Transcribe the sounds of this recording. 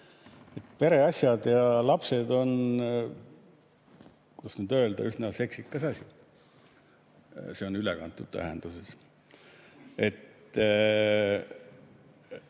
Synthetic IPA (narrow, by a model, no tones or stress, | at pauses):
e̞t̪ːpe̞ɾe̞ɑsʲjɑd̪̥jɑlɑpse̞d̪o̞n | kud̥̪ɑ̥snyd̪̥ø̞ld̪ɑ̰yhnɑse̞ksikːˑɑsɑsʲi | se̞o̞nylekɑ̰nt̪ˑːud̪̥t̪æ̰ɦḛnd̪uses | et̪ː